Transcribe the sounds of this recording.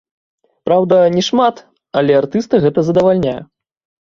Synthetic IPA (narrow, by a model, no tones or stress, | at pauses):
pɾawd̪ɐnʲɛʂmat̪ | ɐlʲɛart̪ɨst̪ɨɣɛt̪ɐzɐd̪ɐvalʲnʲajɐ̰